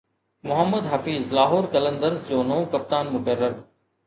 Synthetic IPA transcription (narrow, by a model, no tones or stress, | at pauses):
mʊɦəmːəd̪ɦɐfiːzlaːɦoːɾkɐlə̃nd̪əɾsd͡ʑoːnoːkɐp̚t̪aːnmʊkərːəɾ